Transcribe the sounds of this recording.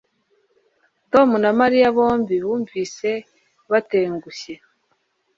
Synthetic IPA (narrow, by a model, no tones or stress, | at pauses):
to̞munamaɾijaβo̞ːɱbiβuːɱviːse̞ | βate̞ːŋɡuçe